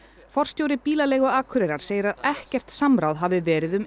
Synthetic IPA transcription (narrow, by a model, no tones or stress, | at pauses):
fɔr̥st̪jowɾɪpiːlalɛːɣʏaːkʰʏɾɛɾaɾ̥seːjɪɾaðɛhcɛr̥t̪samɾawðɦavɪvɛːɾɪðʏm